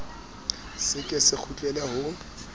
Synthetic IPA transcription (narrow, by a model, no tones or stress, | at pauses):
sɪkʼɪsɪk͡xʰut͡ɬʼɛlaɦʊ